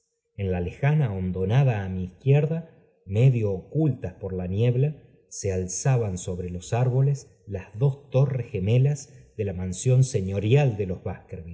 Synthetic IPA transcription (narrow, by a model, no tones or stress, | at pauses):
enlale̞xanaond̪o̞naðaːmiːhkjeɾða | meðjoːkult̪aspo̞ɾlanjeβla | sealsaβanso̞βɾelo̞saɾβo̞les | lazðo̞st̪o̞resxe̞me̞lazðe̞lamansjo̞nse̞ɲo̞ɾjald̪e̞lo̞zβahkeɾβi